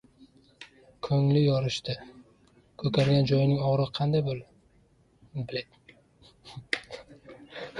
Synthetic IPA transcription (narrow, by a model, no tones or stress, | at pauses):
kʰɵŋlɪjɒɾɪʃt̪ɪ | kʰɵk̪ʰaɾɡʲand͡ʒɒjɪnɪŋɒʁɾɨqʰɑnd̪ajbol | bɪlad̪ɪ